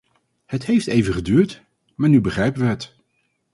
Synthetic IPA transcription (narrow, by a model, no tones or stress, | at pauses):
hətɦejftejvəχədyːɹt | maːɹnybəχrɛjpənʋəɦət